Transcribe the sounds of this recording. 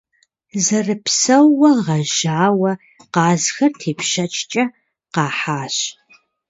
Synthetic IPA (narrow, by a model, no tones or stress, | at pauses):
zɐrɨpsɐwːɐʁɐʒaːwɐ | qɑːzxɐrtʰeːpʃɐt͡ʃʰt͡ʃʼɐ | qɑːħaːɕ